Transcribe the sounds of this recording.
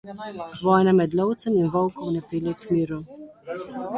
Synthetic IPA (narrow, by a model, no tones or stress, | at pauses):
ʋɔːjnamɛd̪lɔwt̪sɛminvɔwkɔwnɛpiːlʲjɛkmiːɾu